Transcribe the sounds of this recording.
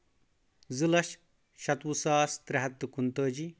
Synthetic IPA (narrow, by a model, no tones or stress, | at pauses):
zɨlɐʃ | ʃɐt̪wusaːst̪ɾɐɦɐt̪ːkunt̪ɐːd͡ʒi